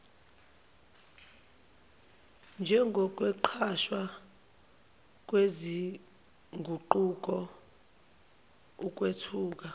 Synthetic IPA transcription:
nd͡ʒʱɛŋɡʱɔk̬ʼwɛǃʰaʃwa | k̬ʼwezi | ŋɡʱuǃuk̬ʼɔ | uk̬ʼwetʰuːk̬ʼa

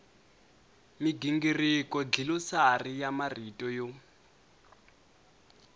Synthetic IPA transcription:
miɡiŋɡirikɔd͡ɮilɔsarijamaritʼɔjɔ

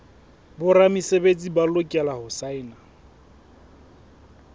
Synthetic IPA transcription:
bʊɾamisebet͡sʼibalokʼɛlahʊsaɪːna

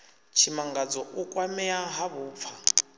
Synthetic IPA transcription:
t͡ʃʰimaŋɡad͡zɔʔukʼwamɛaɦaβuːp̪fʰa

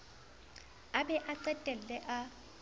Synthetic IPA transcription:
abɛʔaǀɛtʼɛllɛʔa

